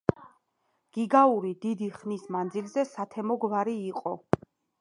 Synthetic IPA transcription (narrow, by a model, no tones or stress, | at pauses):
ɡ̥iɡauɾid̪id̪iχnismand̪zilzɛsat̪ʰɛmɔɡvaɾiːqʼɔ̰